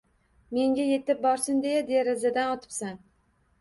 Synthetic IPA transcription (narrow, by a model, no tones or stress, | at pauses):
me̞ŋɡʲaje̞t̪ɪp̚bɒɾsɪnd̪ejad̪eɾɪzad̪anɒt̪ʰɪ̥psan